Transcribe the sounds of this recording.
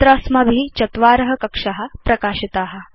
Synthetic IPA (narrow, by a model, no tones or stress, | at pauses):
t̪ɾɐsmɐbʱiːt͡ʃɐt̪ʋaːɾɐɦɐkɐkʂɐɦɐpɾɐkaːɕit̪aːɦɐ̆